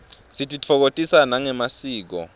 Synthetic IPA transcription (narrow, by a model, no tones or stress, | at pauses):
sitʰʼit͡fʰɔk̬otʼisanaŋɛmasiːk̬ɔ̰